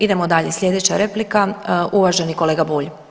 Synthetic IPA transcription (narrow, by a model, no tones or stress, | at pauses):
id̪e̞mod̪aʎesʎʲe̞d̪e̞t͡ɕaɾeplikaʔuʋaʒe̞nikole̞ːɡabuːʎ